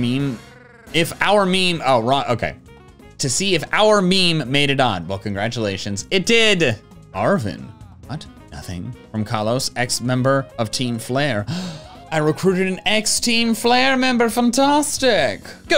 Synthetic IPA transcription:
mĩm | ɪfaʊə˞mĩmoʊɹɑʔoʊkʰḛɪ | tʰɨsiɨfa̰ʊə˞mĩmːeɪɾɨɾn̩wɛlˠkʰɨ̃n̩ɡɹæt͡ʃəleɪʃɨ̃nzɨt̚d̥ɪd | ɑɹvɨ̰̃nwʌt | nʌ̰θɪ̰̃ŋfɹʌ̃mkʰɑlˠoʊsɛksmɛ̃mbə˞ʌv̥tʰĩɱflɛɪɹ | aɪɹɨkʰɹ̥ʉɾɨɾɨ̃n̩ɛkstʰĩɱflɛɹmɛ̃mbə˞fæ̃ntʰæstɪk

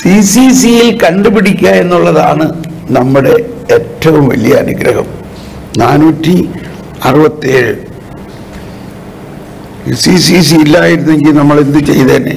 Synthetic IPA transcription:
sisisijilkɐɳɖɨpiɽikʲːaːe̞nːuɭːɐða̰ːɳɨ | nɐmːuɽe̞etːɐʋumʋɐ̰lijɐ̰ːnuɡɾɐhɐ̰m | naːnuːtːi | ɐrɨbɐt̪ːieːɻɨ | sisis̬iːlːaːjiɾunːe̞ŋɡilnɐmːɐɭind̪ɨt͡ɕe̞̰jt̪eːnːḛ

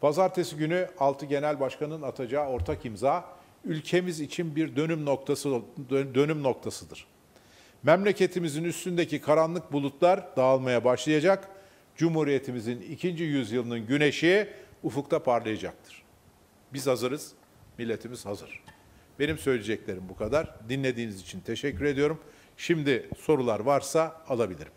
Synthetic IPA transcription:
pʰazaɾt̪ʰe̞siɟynyalˠt̪ʰɯɟe̞nælʲbaʃkanɯnat̪ʰad͡ʒaːo̞ɾt̪ʰakimzaː | ylʲcʰe̞mizit͡ʃʰinbiɾd̪ø̞nymnok̚t̪ʰasd̪ø̞nymno̞k̚t̪ʰasɯd̪ɯɾ̥ | mɛmlʲe̞cʰe̞t̪ʰimizinyst̪ynd̪e̞cikʰaɾanlˠɯk̚bulˠut̪lˠaɾd̪̥aːlˠmajabaʃlˠajad͡ʒak | d͡ʒumhuɾije̞t̪ʰimizinicʰind͡ʒijyzjɯlˠɯnɯnɟyne̞ʃiɛufuk̚t̪ʰapʰaɾlˠajad͡ʒak̚t̪ʰɯ̥ɾ̥ | bizhazɯɾɯz̥ | milʲːe̞t̪ʰimiz̥hazɯ̰ɾ̥ | b̥e̞nimsø̞jlʲed͡ʒɛclʲe̞ɾimbukʰad̪aɾd̪inlʲe̞d̪iːnizit͡ʃʰint̪ʰe̞ʃɛcʰːyɾe̞d̪ijo̞ɾum | ʃimd̪iso̞ɾulˠaɾvaɾsaːlˠabilʲḭɾim

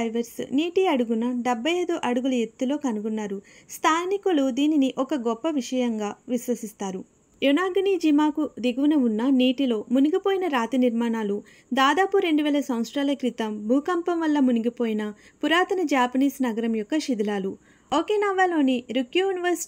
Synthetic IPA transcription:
jʋɐɾsniːʈiɐɽuɡunɐɖebʱːɐjeːd̪oːʔɐɽuɡulɐjet̪ːulo̞ːkɐnuɡunːaːɾust̪ʰaːnikulud̪iːniniʔɔkɐɡɔpːɐʋiʂɐjɐŋɡaːʋiʃʋɐsist̪aːɾu | junaːɡɐnid͡ʒimaːkud̪iɡɐʋunɐunːɐniːʈilo̞ːmuniɡipoːjinɐɾaːt̪iniɾmaːnaːlu | d̪aːd̪aːpuɾe̞ɳɖuʋɛːlɐsɐwnsʈɾaːlɐkɾit̪ɐmbʱuːkɐmpɐmʋɐlːɐmuniɡipoːjinɐ | puɾaːt̪ɐnɐd͡ʒaːpɐniːsnɐɡɐɾɐmjɔkːɐʃid̪ilaːlu | okeːnɐʋaːlo̞ːniɾukjujuniʋɐɾsi̥

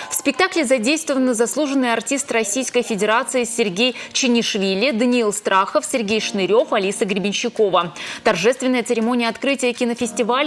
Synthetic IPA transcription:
fspʲɪk̚t̪aklʲɪzɐdʲejst̪vəvənːəzɐslˠuʐɨnːɨjɐrtʲist̪rɐsʲijskəjfʲɪdʲɪɾat̪sɨɪsʲɪrɡʲejt͡ɕɪnʲɪʂvʲilʲɪd̪ənʲɪilˠst̪ɾaxəfsʲɪrɡʲejʂnɨɾʲo̞fɐlʲisəɡɾʲɪbʲɪnʲɕːɪko̞vət̪ɐrʐɛst̪vʲɪnːəjət̪sɨɾʲɪmo̞nʲɪjəɐt̪kɾɨtʲɪjəkʲɪnəfʲɪsʲtʲɪvalʲ

